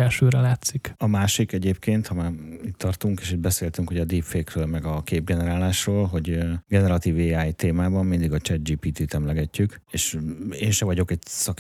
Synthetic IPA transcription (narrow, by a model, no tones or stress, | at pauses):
ɛlʃøːɾɛlaːt̪sikɒmaːʃikɛɟeːpkeːnt̪hɒmaːit̪ːɒrt̪uŋkeːʃid̪̚bɛseːlt̪yŋkhoɟɒd̪iːpfeːkrøːlmɛɡɒkeːb̚ɡɛnɛɾaːlaːʃroːlɦo̞ɟɡɛnɛɾɒt̪iːveːaːjt̪eːmaːbɒmːind̪iɡɒt͡ʃɛd̪d͡ʒiːpiːt̪iːt̪ɛmlɛɡɛcːykeːʃeːnʃɛvɒɟo̞kɛɟsɒk